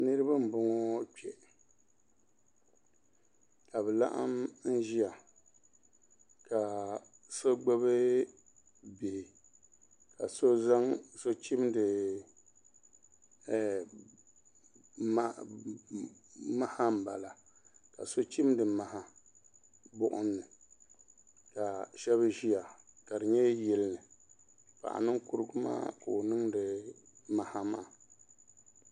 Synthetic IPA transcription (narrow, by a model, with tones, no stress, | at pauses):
nɨ˦ɾɨ˦ba˦m̩˨bʊ˦ŋɔ˦k͡pɛ˨ | ka˨bɛ˨la̰˦ʔa̰˦mn̩˦ʒi˦a˨ | ka˨ | so˦ɡ͡bo˦βɨ˦ | be˨ | ka˨so˦za˦ŋso˦t͡ʃi˦mdɨ˨ | a˦ | ma˦ha˦m̩˨ba˨la˨ | ka̰˨so˦t͡ʃi˦mdɨ˨ma˨ha˦ | bʊ˦ʔʊ˦nːɨ˨ | ka˨ʃɛ˦βɨ˦ʒi˦ja˨ka˨dɨ˨ɲɛ˦jɛ˦lnɨ˨ | pa̰˨ʔa̰˨nɨ˦ŋkʊ˦ɾɨ˦ɡʊ˦ma̰ː˦ko˨nɨ˦ŋdɨ˨ma˨ha˦ma̰ː˦˨